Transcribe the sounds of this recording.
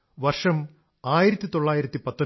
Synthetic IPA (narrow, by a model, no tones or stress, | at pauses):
ʋɐrʂɐm | aːjiɾɐt̪ːit̪oɭːaːjiɾɐt̪ːipɐt̪ːo